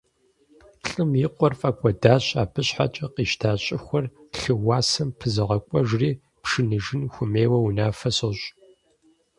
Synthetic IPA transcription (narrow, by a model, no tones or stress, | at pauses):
ɬʼɨmjiqʷʼɔrfʼɐkʷʼɔdaːɕʼa̰ːpʰɨɕħa̰t͡ʃʼɐqiːʃtʰaːɕʼɪxʷɔrɬɨwaːsɐmpʰɨzɨʁɐkʷʼɔʒriː | pʂɨnɨʒɪnxʷʊmeːwɐwunaːfɐsɐɕʼ